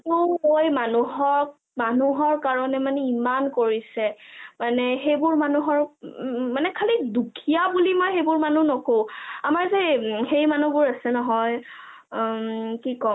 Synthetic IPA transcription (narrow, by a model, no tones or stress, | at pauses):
tuojmanuɦɔɹ | manuɦɔɹkaɹɔnɛmanɛimankoɹisɛmanɛxejbʊɹmanuɦɔɹmanɛkʰalidukʰijabulimojxejbʊɹmanunɔkõamaɹzexejmanubʊɹasɛnɔɦɔj | kikɔ